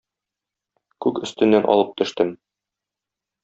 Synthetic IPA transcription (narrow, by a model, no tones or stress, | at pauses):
kʉkɵ̆st̪ɘ̆nːænʔɒ̰lˠɤp̚t̪ɵ̆ʃt̪ɘm